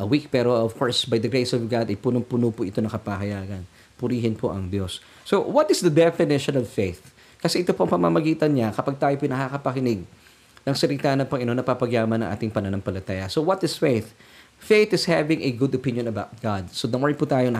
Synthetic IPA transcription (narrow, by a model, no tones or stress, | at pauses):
ʔɐwik̚pɛɾoov̥koɹsbɐjd̪ɐɡɹejsɔvɡad̪ɐjpunoŋpʊnopʊʔɪt̪o̞nɐŋkɐpaɦɐjaːɡɐn | pʊɾiːɦɪnpʰoʔɐŋd̪jo̞sː | owɐt̪ɪsd̪ɐd̪ɛfɪnɪʃonɔvfejθ | kɐsɛʔɪt̪o̞poɐŋpɐma̰mɐɡiːt̪ɐnɲɐkɐpaɡ̚t̪aːjopʊjnɐkakɐpɐkɪnɪɡ̚ | nɐŋsɐɾɪt̪anɐpɐŋɪnonɐpapɐɡjaːmɐnɐŋʔa̰ːt̪ɪŋpɐnɐnoŋpɐlɐt̪aːjɐsowɐt̪ɪsfejθ | fejθɪshavɪ̃ŋɛɡʊd̪opɪ̃njõnɐbawt̪̚ɡ̥ad̪̚sod̪ɐmɔɹput̪aːjonɐ